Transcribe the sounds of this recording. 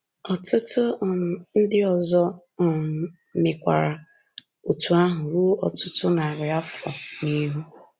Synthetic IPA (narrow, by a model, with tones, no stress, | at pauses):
ɔ˨tʊ˦tʊ˦˨n̩˦dɪ˦ɔ˨zɔ˦˨˦ | mɪ˨kʷa̰˨ɾa˨ | o˨tu˨a˦ɦʊ˨ɾu˦ɔ˨tʊ˦tʊ˦na˨ɾɪ˨a˦fɔ˨ni˦ɦu˦